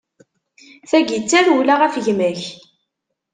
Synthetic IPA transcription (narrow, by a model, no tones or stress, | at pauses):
θæɡit͡sːæɾulaʁæfʝmæç